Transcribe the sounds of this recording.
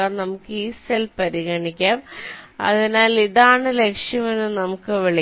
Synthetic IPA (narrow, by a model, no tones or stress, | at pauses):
aːrnɐmukːɨiːselpɐɾiɣɐɳikʲːaːmɐ̰ðinaːliðaːɳɨle̞kʂjɐme̞nːɨnɐmukːɨʋeɭi